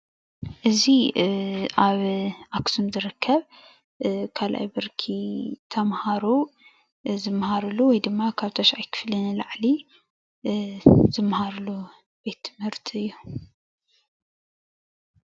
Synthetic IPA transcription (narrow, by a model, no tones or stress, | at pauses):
ʔɨzi | aβʔaksumzɨɾɨkʰːɐβ | kʰalʔa̰jbɨɾkʰit̪ʰɐmhaɾu | zɨmhaɾɨluwɔjd̪ɨmːakʰaβt̪ʰɐʃʕajkʰɨ̥flɐnlaʕli | zɨmhaɾlu | b̥e̞t̪ʰːɨ̥mhɨɾt̪ʰɨjːu